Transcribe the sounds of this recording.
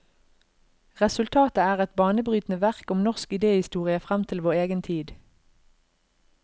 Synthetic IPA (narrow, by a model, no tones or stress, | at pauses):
ʁɛsʉlt̪ʰɑːt̪əæːʁɛt̪bɑːnəbʁyːt̪nəʋæʁkʊmnɔʁskɪd̪eːhɪst̪uːʁɪəfʁæmt̪ʰɪlʋoːʁeːɡənt̪ʰiːd̪